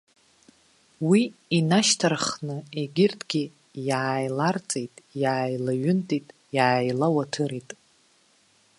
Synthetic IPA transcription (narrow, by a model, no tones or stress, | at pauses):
wiinaʃtʰarχnɨeɡʲɪrtʰʼɡʲi | jaːjlart͡sʼejtʼjaːjlaɥʊntʼitʼ | jaːjlawatʰɨɾitʼ